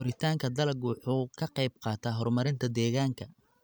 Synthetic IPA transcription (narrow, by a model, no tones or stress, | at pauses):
ɔɾɪt̪ʰaːŋkʰɐd̪ɐlɐɡwɑħuːkʰɐqɑjb̚qɑːt̪ʰaːɦɔrmɐɾɪnt̪ʰɐd̪ɛːɣaːŋkʰɐ